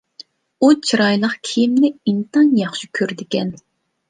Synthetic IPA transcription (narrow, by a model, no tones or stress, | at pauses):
ut͡ʃʰiɾɑjlˠəqkʲʰijimnɪint̪ɑnjɑχʃikʲʰøɾd̪ɪkʲɛn